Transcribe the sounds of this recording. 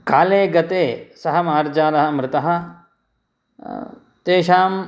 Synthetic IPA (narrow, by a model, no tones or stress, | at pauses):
kaːleːɡɐt̪eːsɐɦɐmaːɾd͡ʒaːlɐɦɐ̆mɾɪt̪ɐɦɐ̆ | t̪eːʃaːm